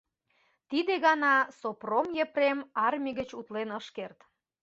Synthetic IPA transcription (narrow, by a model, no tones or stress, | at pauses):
t̪id̪eɣɑnɑsopromjepremɑrmʲiɣət͡ɕut̪lenəʃkert̪